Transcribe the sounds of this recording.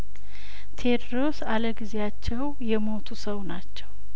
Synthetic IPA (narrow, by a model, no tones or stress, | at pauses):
t̪ʰe̞d̪ɾo̞saləɡɨzejat͡ʃːɛwjɛmo̞t̪ʰusəwnat͡ʃːɛw